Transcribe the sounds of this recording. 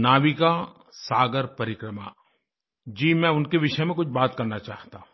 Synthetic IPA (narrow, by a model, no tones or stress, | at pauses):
naːʋika | saːɡəɾpɐɾɪkɾəma̰ | d͡ʒiːmɛ̃ʊnkeʋɪʃəmẽkʊt͡ʃʰbaːt̪kɐɾnat͡ʃaːɦt̪a